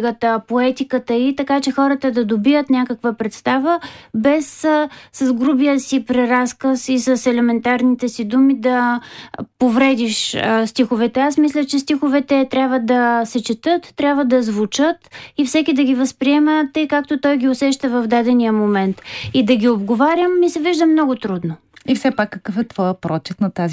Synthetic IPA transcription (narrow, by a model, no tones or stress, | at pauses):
ɡət̪əpoɛt̪ikət̪əit̪ɐkat͡ʃɛxɔɾət̪əd̪ɐd̪obijət̪nʲakəkvəpɾɛt̪st̪avəbɛsːɐzɡɾubiəsipɾɛɾaskəsisəsɛlɛmɛnt̪aɾnit̪ɛsid̪umid̪ɐ | povɾɛd̪iʃst̪ixovɛt̪ɛasmislʲət͡ʃɛst̪ixovɛt̪ɛt̪ɾʲabvəd̪ɐsɛt͡ʃɛt̪ət̪ːɾʲabvəd̪ɐzvʊt͡ʃət̪ifsɛkʲid̪ɐɡʲivəspɾiɛmət̪əjkak̚t̪ot̪ɔjɡʲiʊsɛʃt̪əvɐvd̪ad̪ɛnijəmomɛnt̪id̪ɐɡʲiobɡovaɾʲəmːisɛviʒd̪əmnɔɡʊt̪ɾud̪no | ifsɛpakːəkəfɛt̪vɔjəpɾɔt͡ʃɛt̪nɐt̪azi